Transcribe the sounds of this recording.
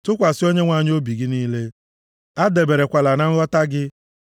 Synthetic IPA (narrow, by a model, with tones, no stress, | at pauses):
tʊ˦kʷa˨sɪ˦o˦ɲe˦ŋʷa˦˨ɲ˦o˦bi˨ɡɪ˦niː˦le˦ | a˦de˨be˨ɾe˨kʷa˨la˨na˦ŋ̩˦ɔ˦ta˦ɡɪ˦